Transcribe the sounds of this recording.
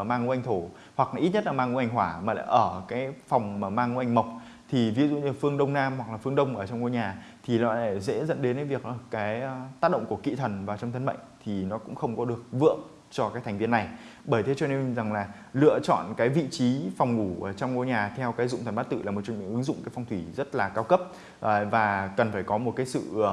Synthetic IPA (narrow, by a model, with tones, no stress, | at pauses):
maː˧ŋu˨˦ʔa˧ŋ̟t̪ʰo˧˩ | hwa˨˩k̚ʔi˦˥t̚ɲə˥t̚laː˨˩maː˧ŋu˨˦ʔa˧˩jŋ̟ɦwaː˧˩maː˨˩la̰ː˧˩ʔəː˧˩kaː˨˦jfɔ˨˩wŋ͡mmaː˨˩maː˧ŋɨ˧˦ʔa˧jŋ̟ma˨˩wk͡p̚ | t̪ʰi˨˩vi˨˦zṵ˧˨ɲɨ˧˩fɨ˧əŋɗə˧wŋ͡mnaː˧mhwa˨˩k̚laː˨˩fɨ˧əŋɗə˧wŋ͡mʔəː˧˩t͡ɕɔ˧wŋ͡mŋo˧ɲaː˨˩t̪ʰi˨˩lɔ˨˦la˧˩zɛ̰˧˥zə̰˧˥nɗe˨˦na˨˦vi˨˩ək̚ːkːaː˨˦jt̪aː˦˥t̚ɗə̰˧˨ŋ͡mku˧˩əkḭ˧˨t̪ʰə˨˩nvaː˨˩t͡ɕɔ˧wŋ͡mt̪ʰə˧nɓə̰˧˨jŋt̪ʰi˨˩nɔ˨˦kʊ̰˧˥ŋ͡mxə˧wŋ͡mkɔ˨˦ɗɨ˨˩ək̚vɨ̰˧˨əm | t͡ɕɔ˧kaː˨˦˥k̚tʰa˨˩ŋvi˧əna˨˩j | ɓəː˧˩jt̪ʰe˨˦t͡ɕɔ˧ne˧nza˨˩ŋlaː˨˩ | lɨ̰˧˨ət͡ɕɔ̰˧˨nkaː˨˦jvḭ˧˨t͡ɕi˨˦fɔ˨˩wŋ͡mŋu˧˩ʔəː˧˩t͡ɕɔ˧wŋ͡mŋo˧jɲaː˨˩t̪ʰɛ˧wkaː˨˦jzʊ̰˧˨ŋ͡mt̪ʰə˨˩nɓaː˦˥t̚t̪ɨ̰˧˨aː˨˩mo˨˩t̚t͡ɕɔ˧˩ɲɨ̰˧˥ŋʔɨ˨˦ŋzʊ̰˧˨ŋ͡mkaː˨˦jfwŋ͡mt̪ʰwi˧˩zə˦˥t̚laː˨˩kaː˧wkə˦˥p̚ | ʔvaː˨˩kə˨˩nfaː˧˩jkɔ˨˦mo˨˩t̚kaː˨˦jsɨ̰˧˨˧